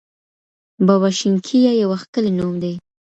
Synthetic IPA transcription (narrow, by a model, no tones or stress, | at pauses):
bawaʃɪŋkʰijajawaxkəlenomd̪e